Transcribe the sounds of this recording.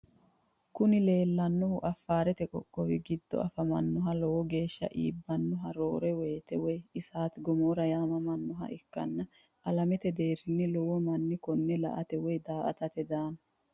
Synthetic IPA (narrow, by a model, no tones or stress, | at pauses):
kʊnɪle̞ːlːɐnːɔhʊʔɐfːaːɾɛt̪ɛkʼɔkʼːɔwɪɡɪd̪ːɔ̰ʔɐ̰fɐmɐnːɔɦɐlɔwɔɡe̞ːʃːɐ̰ʔḭːbːɐnːɔɦɐɾo̞ːɾɛweːt̪ɛwɔjɪsaːt̪ɡɔmoːɾɐjaːmɐmɐnːɔɦɐ̰ʔɪkːɐ̰nːɐ | ʔɐlɐmɛt̪ɛd̪e̞ːɾɪnːɪlɔwɔmɐnːɪkɔnːɛlɐ̰ʔɐ̰t̪ɛwɔjd̪aːʔɐ̰t̪ɐt̪ɛd̪aːnɐ